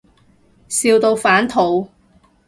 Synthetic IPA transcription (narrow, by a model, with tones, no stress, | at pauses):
siː˧wt̪o˧wfaː˨˥nt̪ʰo˨˧w